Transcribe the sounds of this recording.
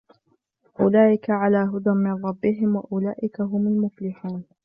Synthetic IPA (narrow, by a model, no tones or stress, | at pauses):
ʔʊlaːʔɪkaʕalaːɦʊd̪amɪnɾˤɑbːɪɦɪmwaʔʊlaːʔɪkaɦʊmalmʊflɪħuːn